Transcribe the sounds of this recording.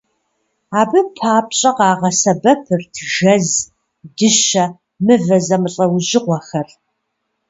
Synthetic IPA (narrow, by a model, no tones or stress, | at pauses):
aːbɨpʰaːp̚ɕʼɐqɑːʁɐsɐbɐpʰɨrtʰʒɐz | dɨʃɐ | mɨvɐzɐmɨɬʼɐwʑɪqʷɔxɐr